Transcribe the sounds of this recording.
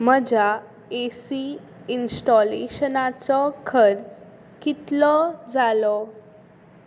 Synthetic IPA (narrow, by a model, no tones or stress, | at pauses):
m̤əd͡ʑa | esi | insʈɔlḛɕənat͡sɔkʰəɾt͡s | kit̪lɔd͡zalɔ